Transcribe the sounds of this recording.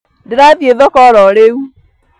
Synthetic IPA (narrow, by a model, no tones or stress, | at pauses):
dɪɾaðjeðɔkɔɾɔɾeu